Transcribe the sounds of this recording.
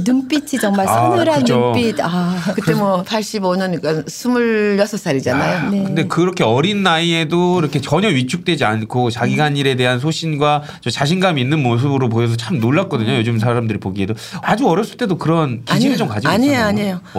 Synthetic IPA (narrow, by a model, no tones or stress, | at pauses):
nump͈it͡ɕʰit͡ɕʌŋmaɭsʰamɲuɾanːuop͈idakɯt͈e̞mwʌpʰaɭɕ͈iboɲʌnik͈ansʰumuɭːʌsʰʌs͈aɾid͡ʑanajoneknde̞kɯɾʌkʰe̞ʌɾinːaie̞doiɾʌkʰe̞t͡ɕʌɲʌɥit͡ɕʰuk̚t͈we̞d͡ʑiankʰot͡ɕaɡiɡaniɾe̞de̞ɦans̬ʰoɕʰinɡwa | t͡ɕʌt͡ɕaɕ̬ʰinɡamiinːɯnmos̬ʰɯbɯɾopoʌs̬ʰʌt͡ɕʰamnoɭːak͈ʌdɯɲojod͡ʑɯms̬ʰaɾamdɯɾipoɡiɦe̞do | ad͡ʑuʌɾjʌps͈ɯɭt͈e̞dokɯɾʌnkɕʰiɡid͡ʑomkad͡ʑiaɲeaɲejo